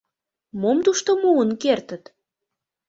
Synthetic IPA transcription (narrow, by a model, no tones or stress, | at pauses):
momt̪uʃt̪omuənkert̪ət̪